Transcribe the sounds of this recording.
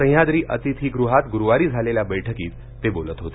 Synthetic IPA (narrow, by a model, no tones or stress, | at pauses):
ə̃j̃jad̪ɾiːʔə̰t̪it̪ʰiːɡɾuɦat̪ɡuɾuʋaɾiːd͡zʱaleljabəjʈʰəkiːt̪ːebolət̪ɦot̪e